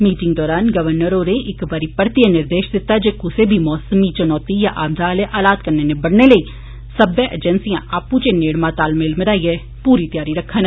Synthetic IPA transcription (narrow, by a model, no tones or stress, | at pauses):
miːʈɪ̃ŋɡd̪ɔːɾaːnɡəʋəɾnəɾoːɾeːʔɪkbaːɾiːpəɾt̪ijãːnɪɾd̪eːʃd̪ɪt̪ːaːd͡ʒeːkʊseːbʱiːmɔːsəmiːt͡ʃənɔːt̪ija̰ːʔaːmd̪aːleːʔaːlaːd̪̚kəɾneːneːbəɽneːləiː | səbeʔɛd͡ʒənsijãːʔaːpũt͡ʃeːneːɽmãːt̪aːlmeːlməɾaːiɛː | puːɾiːt̪ɪjaːɾiːɾəkʰːən